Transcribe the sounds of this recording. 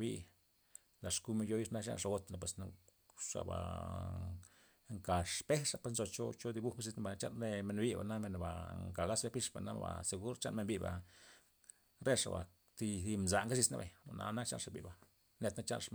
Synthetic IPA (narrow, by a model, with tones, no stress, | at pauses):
bi˦ | la˨ʂku˧˦me˧njo˧˦ji˦ʂna˦k̬a̰˧nʂa˧ɡo˧t̪na˨pwe˨s | ʂa̰˨ba̰˨ | ŋka˨ʂpe˦ʂa˨pe˧snzo˧t͡ʃo˦t͡ʃo˦d̪i˧bu˦˧ka˦s̬i˧sna˦ba˨na˧t͡ʃa̰˦nɾe˧me˧nbi˦ba˨na˦me˧nba̰˨ŋka˨ɡa˦sbe˦pi˦˧ʂba̰˨na˦ba̰˨se˨ɡu˦ɾt͡ʃa˦nme˧nbi˧ba˨ | ɾe˦ʂa̰˨ba̰˨ | t̪i˧d̪i˧mza˨ŋɡa˦s̬i˧sna̰˦bḛ˨o˨na̰˧˦na˦kt͡ʃa̰˦nʂa˨bḭ˨ba˨ | ne˧t̪na˦t͡ʃa˦nʂa˧